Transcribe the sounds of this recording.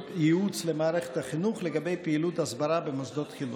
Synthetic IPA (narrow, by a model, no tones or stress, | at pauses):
jiut͡slemaːɾeχethaχinuχleɡabe̞jpeilutasbaɾabemosd̪otχinu